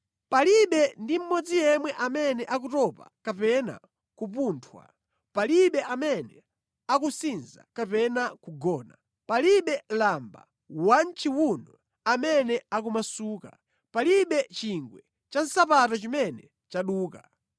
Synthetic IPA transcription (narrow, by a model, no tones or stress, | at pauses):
paliɓɛndim̩mɔd͡zijɛmwɛʔamɛnɛʔak̬utɔpa̰kapɛna̰ | kupuːntʰwa̰ | paliɓɛʔamɛnɛ | akusinza̰kapɛnakuɡɔːna | paliɓɛlamba̰ | want͡ʃiwunɔ | amɛnɛak̬umasuːka̰ | paliɓɛt͡ʃiŋɡwɛ | t͡ʃan̩sapatɔt͡ʃimɛnɛ | t͡ʃaɗuːka